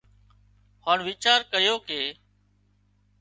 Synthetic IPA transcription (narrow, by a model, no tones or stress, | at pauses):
haːɳʋɪt͡ʃaːɾkəjoːkeː